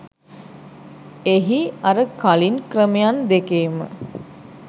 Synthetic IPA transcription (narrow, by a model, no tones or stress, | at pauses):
eɦiaɾəkalinkrəmejand̪ekeːmə̰